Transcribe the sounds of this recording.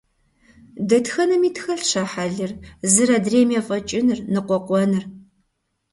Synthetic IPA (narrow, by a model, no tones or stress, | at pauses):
dɐtxɐnɐmiːtxɐɬɕɐħaɮɨrzɨɾɐdreːmjɛfʼɐt͡ʃʼɪnɨrnɨqʷɔqʷɔnɨr